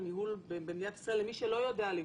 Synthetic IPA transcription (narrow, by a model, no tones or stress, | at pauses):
miɦulbebenijat̪selemiʃelo̞jo̞deali